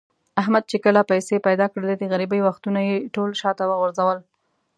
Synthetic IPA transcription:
aɦmad̪̚t͡ʃekəlapajsepajd̪ɑkɽəled̪əɣaɾibəjwaxt̪unajeʈolʃɑt̪awəɣʊɾzawəl

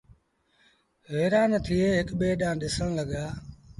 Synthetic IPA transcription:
ɦeːɾaːnət̪ʰiːeːɦɪkɓeːɗãːɗɪsəɽ̃ləɠaː

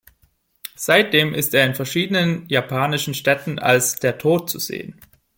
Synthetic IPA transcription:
z̥aɪt̚d̥eːmʔɪsteːɐɪnfɛɐʃiːdənənjapʰaːnɪʃn̩ʃtɛtn̩a̰lsd̥eːɐtʰoːt̚t͡suzḛːən

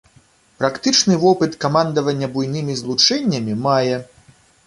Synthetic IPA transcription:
pɾakt̪ɨt͡ʂnɨvɔpɨt̪kamand̪ɐvɐnʲːɐbujnɨmʲizlˠut͡ʂɛnʲːɐmʲimajɛ

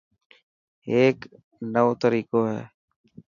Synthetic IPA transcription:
eːk | nəʋoːt̪əɾiːkoːɦɛ̰ː

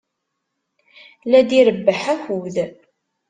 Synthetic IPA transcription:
læd̪iɾəbːəħæhuð

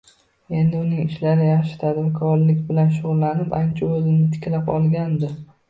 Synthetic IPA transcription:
e̞nd̪ɪʊnɪŋɪʃlaɾɪjaχʃɪ̥t̪ʰad̪vɪkʰɒɾlɪkʲbɪlanʃ̬ʊʁʊlˠːanɪpant͡ʃʰaɵzɪnɪt̪ʰɪ̥kʲlapɒ̰lˠɡʲand̪ɪ

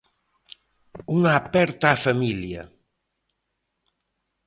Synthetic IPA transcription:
uŋaːpɛɾt̪aafamilja̰

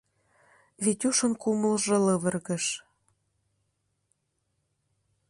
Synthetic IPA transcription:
βit̪ʲuʃə̆nkuməlʒɤ̆lɤβə̆rɣə̆ʃ

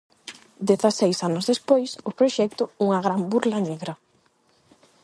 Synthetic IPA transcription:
d̪eθɐsejsanʊzðespojsʊpɾoʃɛk̚t̪ʊuŋɐɣɾambuɾlɐneɣɾɐ

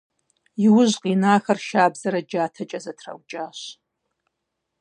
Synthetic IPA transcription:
jiwʊʑqinaːxɐrʃaːbzɐɾɐd͡ʒaːtʰɐt͡ʃʼɐzɐtʰrɐ̰wt͡ʃʼaːɕ

